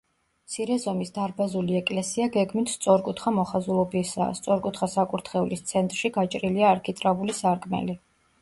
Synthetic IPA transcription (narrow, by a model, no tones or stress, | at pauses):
mt̪sʰiɾɛzɔmisd̪aɾbazuliɛkʼlɛsiaɡɛɡmit̪ʰst̪sʼɔɾkʼut̪ʰχamɔχazulˠɔbisa̰st̪sʼɔɾkʼut̪ʰχasakʼuɾt̪ʰχɛulist̪sʰɛnt̪ʼɾʃiɡat͡ʃʼɾiliaːɾkʰʼit̪ʼɾavulisaɾkʼmɛ̰li